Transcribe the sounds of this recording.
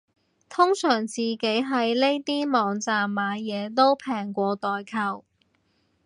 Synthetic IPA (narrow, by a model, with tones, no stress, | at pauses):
t̪ʰʊ˥ŋsœː˨˩ŋt͡siː˨ke˨˥jɦɐ˨jle˥jt̪iː˥mɔː˨˧ŋt͡saː˨mːaː˨˧jɛː˨˧t̪o˥wpʰɛː˨˩ŋkʷɔː˧t̪ɔː˨jkʰɐ˨˧w